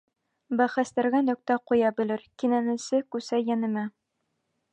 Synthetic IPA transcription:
bæχæst̪æɾɡænɵ̆k̚t̪æqujɑbɘ̆lɘɾkinænɘ̆sɘkʉsæjænɘ̆mæ

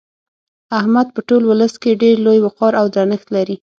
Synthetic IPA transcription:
ahmad̪̚pəʈolwʊləskeɖeɾlojwʊqɑɾawd̪ɾanəxt̪laɾi

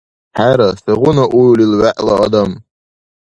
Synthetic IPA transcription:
ħaɾasɨʁʊnaʔujlilʕaʔlaa̰d̪am

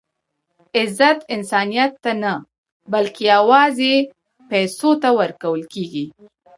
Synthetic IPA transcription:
ɪzat̪ɪnsɑnijat̪ːana | balkejawɑze | pɛjsot̪awəɾkawəlkeɡi

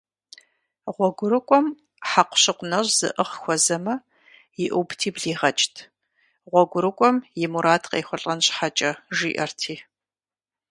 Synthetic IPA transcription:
ʁʷɔɡʷʊɾɨkʷʼɔm | ħaqʷʊ̥ɕɪqʷʊnɐʑz̥ɨ̰ʔəχxʷɔzɐmɐ | jɪʔubtʰiːbɮiːʁɐt͡ʃʼtʰ | ʁʷɔɡʷʊɾɨkʷʼɔmjɪmuɾaːtʰqḛːxʷʊɬʼɐnɕħat͡ʃʼɐʒiːʔɐrtʰiː

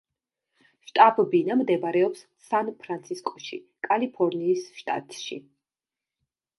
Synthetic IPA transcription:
ʃt̪ʼabbinamd̪ɛbɾɛɔps | sanpʰɾant̪sʰiskʼɔ̥ʃi | kʼalipʰɔɾniːsʃt̪ʼa̰t̪ʼʃḭ

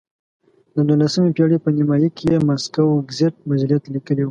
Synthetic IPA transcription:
d̪əd̪ulasəmepjɑɽepənimɑjikejemaskawɡzeʈ̚bad͡ʒlijat̪likəlewu

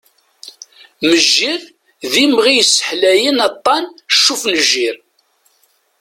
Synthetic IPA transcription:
məʒːiɾ | ðimʁijəsːə̥ħlæjənɑt̪ˤːɑnʃːufnəʒːiɾ

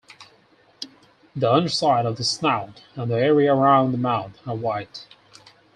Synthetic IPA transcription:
ðiʌ̃ndə˞saɪɾʌvðəsnaʊtə̃nðiɛɹiɨə˞ãʊ̃nðəmãʊ̃nθə˞waɪt

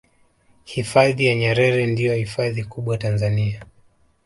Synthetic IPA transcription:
hifaðijaɲɛɾɛɾɛndijɔhifaðikuɓwatanzania

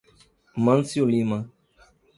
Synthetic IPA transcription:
mansioliːmã

